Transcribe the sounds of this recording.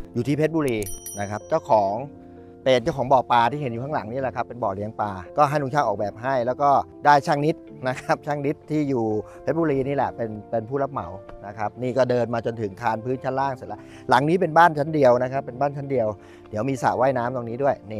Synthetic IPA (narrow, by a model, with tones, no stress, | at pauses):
juː˨˩t̪ʰiː˥˩pʰe˦˥t̪̚buː˧ɾiː˧na˦˥kʰa˦˥p̚t͡ɕa˥˩wkʰɔː˩˦ŋ | pe˧nt͡ɕa˥˩wkɔː˩˦ŋbɔː˨˩paː˧t̪ʰiː˥˩˨e˩˦nju˨˩kʰa˦˥la˩˦ŋniː˥˩lɛ˨˩kʰa˦˥pːe˧nbɔː˨˩li˦əŋpaː˧kɔː˥˩ɦa˥˩jt̪u˧˥ŋt͡ɕʰaː˥˩ŋʔɔː˨˩k̚bɛː˨˩p̚ɦa˥˩jlɛː˦˥wkɔː˥˩daː˥˩jt͡ɕʰaː˥˩ŋni˦˥t̪̚ | na˦˥kʰa˦˥p̚t͡ɕʰaː˥˩ŋni˦˥t̪ʰːiː˥˩juː˨˩pʰe˦˥buː˧ɾiː˧niː˥˩lɛ̰˨˩pe˧npe˧npʰuː˥˩la˦˥p̚ma̰˩˦wna˦˥kʰa˦˥p̚niː˥˩kɔː˥˩dɤː˧nmaː˧t͡ɕo˧nt̪ʰɯ˩˦ŋt̪ʰaː˧npʰɯː˦˥nt͡ɕʰa˥˩nlaː˥˩ŋst̚lɛ˦˥˩ | la˩˦ŋniː˦˥p̬e˧nbaː˥˩nt͡ɕʰa˦˥ndi˧əwna˦˥kʰa˦˥pːe˧nbaː˥˩nt͡ɕʰa˦˥ndi˧əw | di˩˦wmiː˧sa̰˨˩wa˥˩jnaː˦˥mt̪o˧ŋniː˦˥du˥˩əjni˧˩